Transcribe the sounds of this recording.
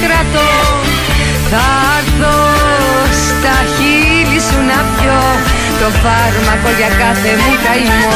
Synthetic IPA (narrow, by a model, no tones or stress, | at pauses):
kɾɐt̪o | θɐ | ɾðo | s | t̪ɐçi | lisunɐpço | t̪ofɐɾmɐko̞ʝɐkɐθemuk̪ɐimo